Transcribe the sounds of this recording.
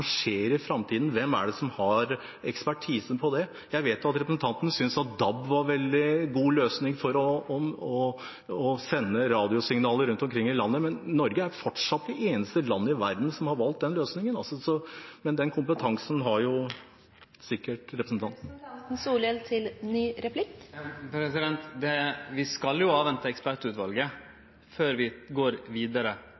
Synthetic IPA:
ʂeːɾɪfɾɑmt̪ʰiːd̪n̩ʋɛmːæ̰ɖɛsɔmhɑɾ | ɛkspæʈʰiːsən̩pʰɔd̪ɛ | jæɪʋeːt̪jʊɑt̪ɾɛpɾəsn̩t̪ʰɑnt̪ənəsʏnsɑt̪̚d̪ɑbʋɑɾʋɛld̪ɪɡuːløːsnɪŋfɔɾɔɔmɔ | ɔsɛnːəɾɑːd̪ɪʊsɪŋnɑːləɾʉnt̪ɔmkʰɾɪŋːɪlɑnːəmɛnːɔɾɡəæɾfɔʈʂɑt̪̚d̪ɛʔeːnəst̪əlɑnːəɪʋæɾd̪n̩sɔmhɑɾʋɑlt̪̚d̪ɛnløːsnɪŋənɑlsɔsɔmɛnd̪ɛnkʰʊmpət̪ʰɑŋsn̩ɦɑɾjʊ | sɪkːəʈɾɛpɾəsn̩t̪ʰɑnt̪n̩suːlɛlt̪ʰɪlnyːɾɛpʰlɪk̚t̪pʰɾɛsɪd̪ɛnt̪d̪ɛʋɪskɑljʊɑːʋɛnt̪əɛkspæʈʉːt̪ʋɑlɡə | føːɾʋɪɡoːɾʋiːd̪əɾə

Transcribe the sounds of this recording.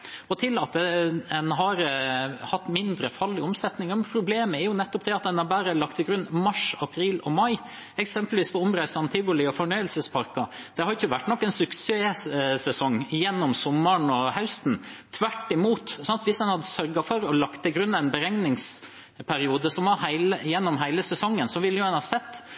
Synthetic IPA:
ɔt̪ʰɪlɑt̪ɛɛnɦɑɾhɑt̪ːmɪnd̪ɾəfɑlɪɔmsɛt̪nɪŋəmpʰɾʊbleːməæɾjʊnɛt̪ːɔpd̪ɛɑt̪̚d̪ɛnɑbæːɾəlɑk̚t̪ʰɪlɡɾʉnːmɑʂɑpʰɾiːlɔmɑɪ | ɛksɛmpəlʋiːspʰɔʊmɾæɪsɑnt̪ʰɪlʋʊlɪɔfɔɳœʏəlsəspʰɑɾkɑ | d̪̥ɛhɑɾɪçːəʋæʈːnɔkːɛnsʉkseːsɛsɔŋːjɛnːɔmsɔmːəɳɔhɑʉst̪n̩t̪ʰʋæʈːɪmuːt̪sɑnt̪ʋɪsd̪ɛnhɑd̪ːəsœɾɡɑfɔɾɔlɑkt̪ʰːɪlɡɾʉnːæɪnbəɾɛŋnɪŋs | pʰæɾɪuːd̪əsɔmʋɑhæɪləjɛnːɔmɦæɪləsɛsɔŋːənsɔʋɪlːəjʊɑnhɑɾsɛt̪ː

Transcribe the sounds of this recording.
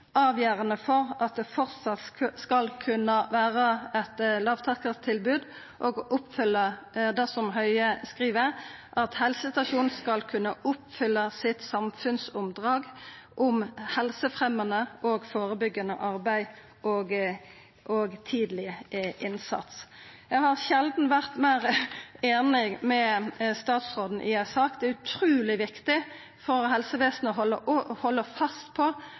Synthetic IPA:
ʔɑːʋjæːʁənəfɔʁɑt̪̚d̪ɛfɔʁt̪sɑt̪skɑlkʰʉnəʋæːʁəɛt̪lɑːʋt̪ʰɑʁkəʁt̪ʰɪlbʉːd̪ | ʔoːɡʔʊpːfʏlːəd̪ɛsɔmɦœʏəskʁiːʋəʁʔɑt̪hɛlsəst̪ɑʃuːnn̩skɑlkʰʉnːəʔʊpːfʏlːəsɪt̪sɑmfʉnsʊmd̪ʁɑːɡ | ʔʊmhɛlsəfʁɛmənəʔɔɡfoːʁəbʏɡːɑnə̰ʔɑʁbæɪ | ʔoːɡ | ʔoɡt̪ʰiːd̪lɪəʔɪnsɑ̰t̪s | jæhɑʁʃɛld̪n̩ʋæʁt̪mæɪʁeːnɪmɛst̪ɑːt̪sʁoːd̪n̩ʔɪæsɑkd̪ɛæʉt̪ʰʁʉːlɪʋɪkt̪ɪ | fɔʁhɛlsəʋeːsnəɔɦɔlːə̰ʔhɔlːəfɑst̪pʰɔ

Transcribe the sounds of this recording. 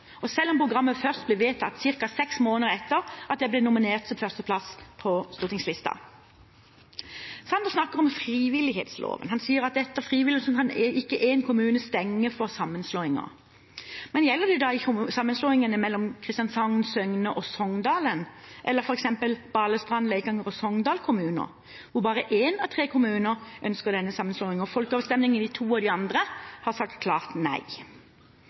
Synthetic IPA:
ɔsɛlːɔmpʰʁʊɡʁɑmːəfœʁst̪̚blɛʋeːt̪ʰɑt̪ːsɪʁkɑsɛksmoːnəɾɛt̪ːəɾʔɑt̪̚d̪ɛblɛnʊmɪneːʁt̪sɔmfœʁst̪əpʰlɑspʰɔst̪uːʁt̪ʰɪŋslɪst̪ɑ̰ | sɑnd̪əsnɑkːəʁɔmfɾiːʋɪlɪɦḛːt̪slo̰ːʋə̰nhɑnsiːəɾɑt̪̚d̪ɛt̪ːəʁfʁiːʋɪlɪsmkʰɑnɪkːəʔeːnkʰʊmʉːnəst̪ɛŋːəfɔʁsɑmːənsloːɪŋə̰ʁ | mɛnjɛlːəd̪ɛd̪ɑɪsɑmːənsloːɪŋənəmɛlːɔmkʰɾɪst̪jɑnsɑŋnsœŋnəʔɔsɔŋd̪ɑːlənʔɛlːəɾfɔɾɛksɛmpəlb̥ɑːləst̪ʁɑnleɪkɑŋəʁɔsɔŋd̪ɑːlkʰʊmʉːnə̰ɾ | ʋʊʁbɑːʁəʔeːnɑʋt̪ʰʁeːkʰʊmʉːnəɾʔœnskəʁd̪ɛnːəsɑmːənsloːɪŋɔfɔlkəoːʋəst̪ɛmnɪŋənd̪ɪt̪ʰuːɔd̪ɪɑnd̪ʁəhɑʁsɑk̚t̪kʰlɑːʁt̪næ̰ɪ

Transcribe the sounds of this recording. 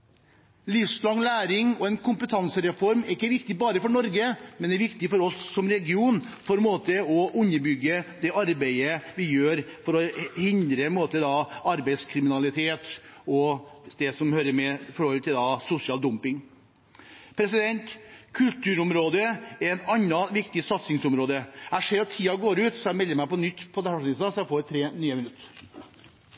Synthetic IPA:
lɪfslɑŋlæːɾɪŋɔɛnkʰʊmpət̪ʰɑnsəɾɛfɔɾmɛɾɪkːəɾʋɪkt̪ɪbɑːɾəfɔɳɔɾɡəmɛnd̪ɛɾʋɪkt̪ɪfɔɾɔsːɔmɾɛɡɪuːnfɔɾmoːt̪əɔʔʉnːəɾbʏɡːəd̪ɛʔɑɾbæɪəʋɪjøːɾfɔɾɔhɪnd̪ɾəmoːt̪əd̪ɑɑɾbæɪd̪skʰɾɪmɪnɑlɪt̪ʰeːt̪ɔd̪̥ɛsɔmhøːɾəmɛfɔɾhɔlt̪ʰɪld̪ɑsʊsɪɑːld̪ʊmpɪŋ | pʰɾɛsɪd̪ɛnt̪kʰʉlt̪ʉːɾʊmɾoːd̪əɛnɑnːɑʋɪkt̪ɪsɑt̪sɪŋsʊmɾoːd̪əæɪʂeːɾɔt̪ʰiːɑɡoːɾʉːt̪sɔjæmɛlːəɾmæɪpɔnʏt̪ːpʰɔd̪ɛhæːnɪsɑsɔjæfoːʋt̪ʰɾeːnyːəmɪnʉt̪ː

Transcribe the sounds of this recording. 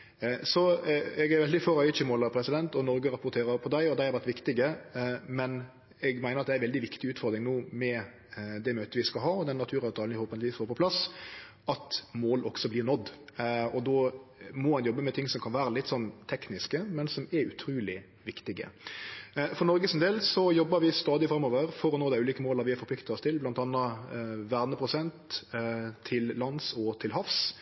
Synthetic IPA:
sɔɛɡæɾʋɛld̪ɪføːɾœʏt͡ʃəmoːləpʰɾɛsɪd̪ɛnt̪ɔnɔɾɡəɾɑpʊɾt̪ʰeːɾəɾpʰɔd̪æɪɔd̪ɛæɪhɑɾʋæɾt̪ʋɪkt̪ɪɡəmɛn | ɛɡmæɪnəɾɑt̪d̪æɾʋɛld̪ɪʋɪkt̪ɪʉːt̪fɔɾd̪ɾɪŋnoːmɛ | d̪ɛmøːt̪əʋɪskɑlɦɑːɔd̪ɛnːɑt̪ʰʉːɾɑʋt̪ʰɑːlnɪhoːpənɪiːsfoːɾpʰɔpʰlɑs | ɑt̪moːlʔɔ̰ɡsɔblɪɾnɔd̪ːɔd̪ɔmɔmɑnjɔbːəmɛt̪ʰɪŋsɔmkʰɑnʋæːɾəlɪt̪ːsɔnːt̪ʰɛknɪskəmɛnsɔmɛʉt̪ʰɾʉːlɪ | ʋɪkt̪ɪɡə̰ | fɔɾnɔɾɡəsɛnd̪eːlsɔjɔbːəɾʋɪst̪ɑːd̪ɪfɾɑmːɔʋəɾfɔɾɔnoːd̪æɪʉːliːkəmoːlɑɾʋɪɛɾfɔpʰlɪkt̪ɑɔst̪ʰɪlblɑnt̪ɑnːəʋæʁnəpʰɾʊsɛnt̪ | t̪ʰːɪllɑnsɔt̪ʰɪlɦɑfs

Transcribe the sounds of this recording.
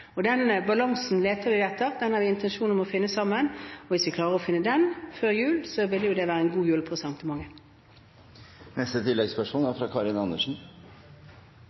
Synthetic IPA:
ɔd̪ɛnbɑlɑŋsn̩leːt̪əɾʋɪd̪ɛt̪ːʁd̪ɛnhɑɾʋɪɪnt̪ʰɛnʃuːnɔmɔfɪnːəsɑmːənɔʋɪsʋɪkʰlɑːɾəʁɔfɪnːəd̪ɛnføːɾjʉːlsɔʋɪlːəjʊd̪ɛʋæːɾəɛnɡuːjʉːlpʰɔsɑmt̪ʰəmɑŋːə | nɛst̪ət̪ʰɪlːɛɡspœʂmuːnæɾfɾɑkʰɑɾɪnɑnəʂn̩

